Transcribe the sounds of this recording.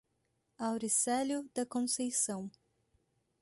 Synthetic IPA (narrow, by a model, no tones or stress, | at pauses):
awɾisɛljʊd̪ɐkõsejsɐ̃w̃